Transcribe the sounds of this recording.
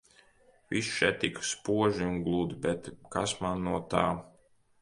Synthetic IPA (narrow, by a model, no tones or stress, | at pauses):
visʃɛt̪ːikspuɔʒiuŋɡlˠuːd̪bɛt̪kasmanːuɔt̪aː